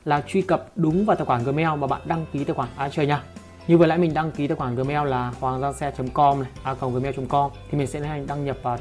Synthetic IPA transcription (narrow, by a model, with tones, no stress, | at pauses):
laː˨˩t͡ɕwi˧kə˨˩p̚ɗʊ˨˦ŋ͡mvaː˨˩t̪aː˨˩kwaː˧˩ŋɣɨ˨˩mɛ˧wmaː˨˩ɓa̰ː˧˨nɗa˧ŋki˨˦t̪aː˨˧˨kwaː˧˩nʔaː˧˩t͡ɕəː˨˩jɲaː˧˩ | ɲɨ˧ə˨˩la̰˧˥mï˨˩ŋ̟ɗa˧ŋki˨˦t̪ːkwa˧˩ɣɨ˨˩mɛ˧wlaː˨˩hwaː˨˩ŋzaː˧nsɛ˧t͡ɕə˨˦mkɔ˧mna˨˩ʔaː˧kə˨˩wɣmɛ˧wt͡ɕə˨˦mkɔ˧mt̪ʰi˨˩mi˨ŋ̟sɛ̰˧˥ə˨˦a˨˩ŋ̟ɗa˧ŋɲə˨˩p̚vː